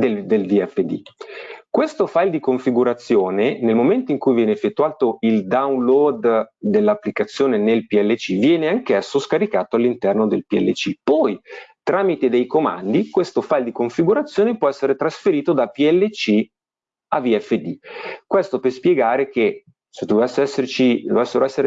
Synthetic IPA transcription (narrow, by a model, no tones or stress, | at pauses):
d̪ed̪elviɛfːed̪ḭkwest̪ofajld̪ikoɱfiɡuɾat̪sːjoːnenelmoment̪oiŋkujvjɛːneefːet̪ːuaːt̪oild̪aunlɔd̪ːelːapːlikat̪sːjoːnenelpiɛlːet͡ʃivjɛːneaŋkɛsːoskaɾikaːt̪oalːint̪ɛrnod̪elpiɛ̰lːet͡ʃipɔjt̪ɾaːmit̪ed̪ejkoma̰nd̪ikwest̪ofajld̪ikoɱfiɡuɾat̪sːjoːnepwɔɛsːeɾet̪ɾasfeɾiːt̪od̪apiɛlːet͡ʃi | aviɛfːed̪ikwest̪opespjeɡaːɾek̟e | sed̪ovɛsːeɛsːeɾt͡ʃid̪ovɛsːeɾoɛsːeɾe